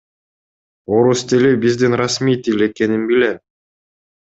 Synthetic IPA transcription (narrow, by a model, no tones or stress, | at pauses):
o̞ɾust̪ilʲibizd̪inrasmijt̪ʲilʲe̞ke̞ninbilʲem